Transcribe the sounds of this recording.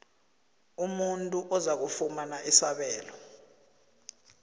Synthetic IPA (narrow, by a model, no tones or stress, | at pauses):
umuntʼuʔɔzak̬ufumanaʔisaɓɛːlɔ